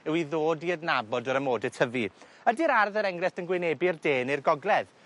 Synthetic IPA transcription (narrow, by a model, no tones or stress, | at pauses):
ɛwiðoːdiədnabɔdɔɾəmoːdɛtʰəvi | ədiɾarðəɾɛŋrɛθdənɡwɪnebirdeːnirɡɔɡlɛð